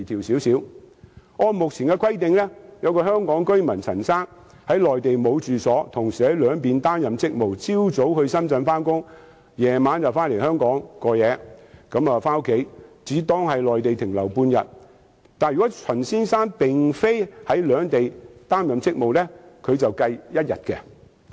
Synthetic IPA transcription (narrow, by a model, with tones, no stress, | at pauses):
t̪ʰiː˨˩wsiː˨˥wsiː˨˥w | ɔː˧mʊ˨k̚t͡sʰiː˨˩nkɛ˧kʰʷɐ˥jt̪ɪ˨ŋlɛ˥jɐ˨˧wkɔː˧hœː˥ŋkɔː˨˥ŋkɵ˥ɥmɐ˨˩nt͡sʰɐ̰˨˩nsaː˥n | hɐ˨˥jlɔː˨jt̪e˨jmo˨˧wt͡syː˨sɔː˨˥t̪ʰʊ˨˩ŋsiː˨hɐ˨˥jlœː˨˧ŋpiː˨nt̪aː˥mjɐ˨mt͡sɪ˥k̚mo˨wt͡siː˥wt͡so˨˥whɵ˧ɥsɐ˥mt͡sɐ˧nfaː˥nkʊ˥ŋ | jɛː˨˩maː˨˧nt͡sɐ˨wfaː˥nle˨˩jhœː˥ŋkɔː˨˥ŋkɔː˧jɛː˨˧kɐ˨˥mɐː˨faː˥wkʰe˨˥jt͡siː˨˥t̪ɔː˥ŋhɐ˨jlɔː˨jt̪e˨jt̪ʰɪ˨˩ŋlɐ˨˩wpuː˧njɐ̰˨t̚ | t̪aː˨njɥy˨kɔ˨˥t͡sʰɐ˨˩nsiː˥nsaː˥npɪ˨ŋfe˥jhɐ˨˥jlœː˨˧ŋt̪e˨jt̪aː˥mjɐ˨mt͡sɪ˥k̚mo˨wlɛ˥kʰɵ˨˧ɥt͡sɐ˨wkɐ˧jjɐ˥t̚jɐ̰˨t̚kɛ˧